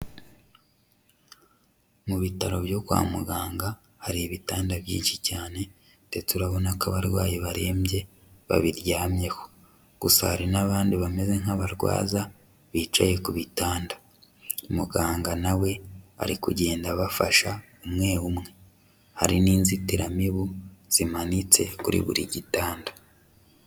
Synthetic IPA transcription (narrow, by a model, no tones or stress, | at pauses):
muβitaɾo̞βjo̞kwa̰ːmuɡaːŋɡa | haɾiːβitaːndaβjḭːnʃicaːne̞ | te̞tuɾaβo̞nakaβaɾɡwaːjeβaɾe̞ːmje̞ | βa̰βiɾjaːmje̞ho | ɡ̥usahaɾinaβaːndiβame̞ze̞ŋ̥aβaɾɡwa̰ːza | βiːt͡ʃaje̞kuβitaːndḁ | umuɡaːŋɡanawe̞a̰ɾikuɟe̞ːndaβafaʃa | umŋe̞ːwumŋe̞ | ha̰ɾiniːnzitiɾamiβuz̥imanit͡se̞kuɾḭβṵɾiɟitaːnda